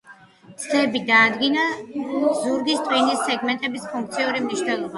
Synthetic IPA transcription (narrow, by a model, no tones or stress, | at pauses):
t̪sʰd̪ɛbid̪aːd̪ɡina | zuɾɡist̪ʼwinisːɛɡmɛnt̪ʼɛbispʰuŋk̚ʰt̪sʰiuɾimniʃnɛlˠɔba